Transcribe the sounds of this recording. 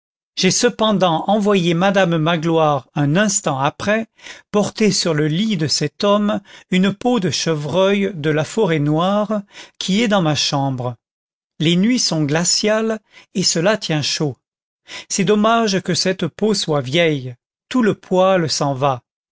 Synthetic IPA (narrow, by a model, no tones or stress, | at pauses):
ʒ̥esəpɑ̃d̪ɑ̃ʔɑ̃vwajemad̪amːaɡlwaʁɛ̃nɛ̃st̪ɑ̃apχɛpɔʁt̪esyʁləlid̪əsɛt̪ɔmynpod̪əʃəvʁœjd̪əlafɔʁɛnwaʁkʲʰiɛd̪ɑ̃maʃɑ̃bʁə | lenɥisɔ̃ɡlasjalesəlat̪jɛ̃ʃo | sɛd̪ɔmaʒkəsɛt̪poswavjɛj | t̪uləpwalsɑ̃va